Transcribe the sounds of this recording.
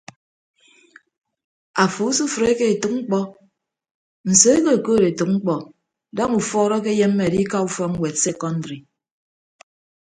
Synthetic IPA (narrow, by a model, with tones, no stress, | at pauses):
a˨fu˨˦su˦fɾe˦ke˦e˨tu˨ŋ͡m̩˦k͡pɔ˦ | n̩˨so˦e˦ke˦e˨koː˦˨ɾe˨tu˨k̚ŋ͡m̩˦k͡pɔ˨ | dɔ˦ŋu˨fɔː˦ɾɔ˦k̬e˦je˦mːe˨di˦ka˦u˦fɔ˦k̚ŋ̩˦we˨tse˦kɔ˦ndɾi˨